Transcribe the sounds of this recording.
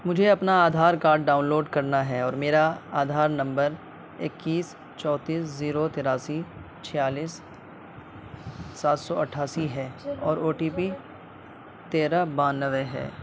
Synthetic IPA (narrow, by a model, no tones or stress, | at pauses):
mʊd͡ʒʱeɐpnaaːd̪ʱaːɾkaːɾɖɖaːʊ̃nloːɖkɐɾnaɦɛɔːɾmeːɾaaːd̪ʱaːɾnɐ̃mbəɾ | ɪkːiːs | t͡ʃɔːt̪iːsziːɾot̪ɪɾaːsi | t͡ʃʰɪjaːliːs | saːt̪sɔɐʈʰːaːsiɦɛɔːɾoːʈiːpi | t̪eːɾabãːnəʋeɦɛ̰ː